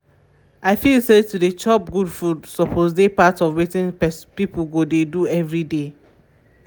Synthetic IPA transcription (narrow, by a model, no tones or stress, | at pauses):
ʔaɪfilsetudet͡ʃɔp̚ɡudfudsɔpʰozdepatɔvwetĩnpɛspipɡodeduɛvɹide